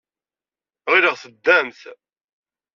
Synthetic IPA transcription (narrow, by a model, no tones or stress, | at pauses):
ʁɪɾəʁθəd̪ːæmθ